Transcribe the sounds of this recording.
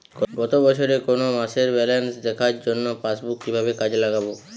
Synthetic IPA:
ɡɔɡɔt̪obɔt͡ɕʰoɾekonomaʃeɾbɛlensd̪ɛkʰaɾd͡ʑonːopasbukːibʱabekad͡ʑelaɡabo

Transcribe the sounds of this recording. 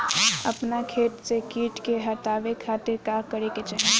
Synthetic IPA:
ɐ̰pnakʰeːʈsekiːʈkeɦɐt̪aːʋekʰaːt̪ɪɾkaːɾkɐɾeket͡ʃəɦ

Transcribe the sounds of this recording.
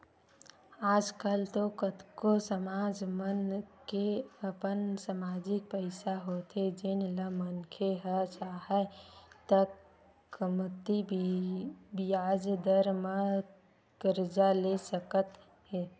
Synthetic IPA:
aːd͡ʒkəlt̪okət̪kosəmad͡ʒmənkeəpənsəmad͡ʒik̚pəɪsaɦot̪ed͡ʒenləmənkʰeɦət͡ʃʰaɦət̪əkː | mət̪ːi | bijad͡ʒd̪əɾmə | kəɾd͡ʒalesəkət̪ | ɦɛ

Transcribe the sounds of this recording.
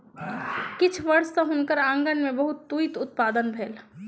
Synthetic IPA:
kɪt͡ʃʰʋəɾsəɦʊnkəɾãːŋɡənmẽbəɦʊt̪ːujt̪ʊt̪̚paːd̪ənbʱeːl

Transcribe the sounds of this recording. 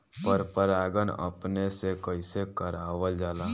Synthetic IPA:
pəɾpəɾaːɡənə̰pnesekəɪsekəɾaːʋəld͡ʒaːlaː

